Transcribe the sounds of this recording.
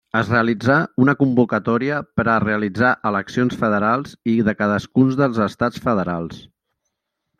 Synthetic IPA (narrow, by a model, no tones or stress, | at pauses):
əzreəlid͡zaunəkumbukət̪ɔɾiəpəɾəreəlid͡zaʔələksionsfəðəɾalˠziðəkaðəskunzðəlˠzəst̪at͡sfəðəɾalˠs